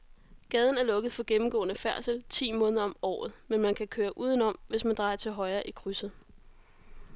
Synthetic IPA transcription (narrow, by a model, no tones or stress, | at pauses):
ɡ̥ɛːð̞ˠn̩æɐlɔ̽ɡ̥əð̩ˠfɒ̽ɡ̥emm̩ɡ̥ɔ̰̽ːnəfæɐsəlt͡sʰḭːmɔ̽ːn̩ðˠɐɒ̽mɒ̰ːð̞ˠmenmænkʰækʰøːɐʔuːð̞ˠənɒ̽m̰ʋe̝smænd̥ʁɑ̈ɪɐt͡sʰe̝lɦɒ̽ɪɐːʔikʰʁysð̩ˠ